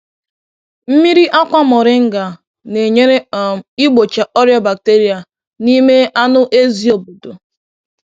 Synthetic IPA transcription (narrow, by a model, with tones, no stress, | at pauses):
m̩˦mi˦ɾi˦ʔa˦kʷa˦mɔ˨ɾɪ˦ŋ̩˦ɡa˨ | ne˨ɲe˦ɾe˦˨i˦ɡ͡bo˨t͡ʃa˨ʔɔ˦ɾjɔ˦ba˨k̚te˦ɾi˨a˨ | ni˦me˦a˦nʊ˦ʔe˦zi˦o˨bo˨do˨